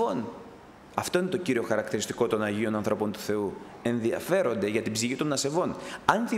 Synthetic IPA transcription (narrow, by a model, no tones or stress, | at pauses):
on | ɐft̪o̞ine̞t̪o̞ciɾio̞xɐɾɐkt̪iɾist̪i̥ko̞t̪o̞nɐʝio̞nɐnθɾo̞po̞nt̪u̥θe̞u | e̞nðiɐ̰fe̞ɾo̞nd̪e̞ʝɐt̪ibziçit̪o̞nːɐse̞vo̞nɐnθi